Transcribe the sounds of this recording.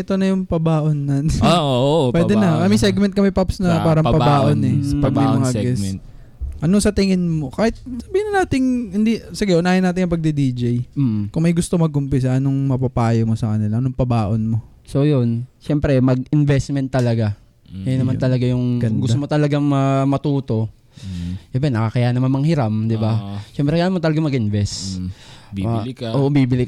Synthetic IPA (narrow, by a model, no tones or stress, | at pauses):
ʔɛt̪o̞nɐjʊŋpɐbaːʔonːɐnopwɛd̪ɛnɐkɐmɛsɛɡ̚mɛnt̪kɐmɛpapsnɐpaːɾɐŋpɐbbaːʔonɛsɐpɐɡ̚mɐjmmɐŋaɡɛs | ʔɐnosɐt̪ɪŋɪnmo̞kaːhɪt̪̚sɐbiːhɪnɐnaːt̪ɪŋhɪnd̪isɪɡɛʔʊnaːhɪnːaːt̪ɪnŋjɐpɐɡ̚d̪id̪iːd͡ʒɛjkʊŋmɐjɡʊst̪o̞mɐɡ̚ʔʊmpɪs̬ɐʔɐnoŋmɐpɐpaːjomo̞sɐkɐnɪlɐʔɐnoŋpɐbaːʔonmo̞ | so̞jonʃɛmpɾɛmɐɡɪnvɛst̪̚mɛnt̪ːɐlɐɡa | janɐmant̪ɐlɐɡajʊŋɡɐɡʊst̪omot̪ɐlɐɡaŋmɐmɐt̪uːt̪o̞ | ɪbɛnɐkakɐjanɐmanmɐŋhɪɾamd̪ɪbaʃɛmpɾɛkɐjaːnɐmant̪ɐlɐɡamɐɡʔɪnvɛs | ʔoːʔbiːbɪlɪ